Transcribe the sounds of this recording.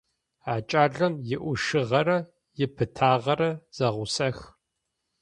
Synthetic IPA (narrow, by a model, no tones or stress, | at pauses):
aːt͡ʃʼaːɮɐmjɪʔʷʊʂɨʁɐɾɐ | jɪpʰɨtʰaːʁɐɾɐz̥ɐʁʷʊsɐx